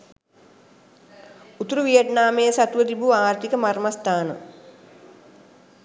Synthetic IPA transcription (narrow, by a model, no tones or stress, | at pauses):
ut̪uɾuʋijət̪naːmejəsat̪uʋət̪ibuaːɾt̪ikəmarmast̪aːnə̰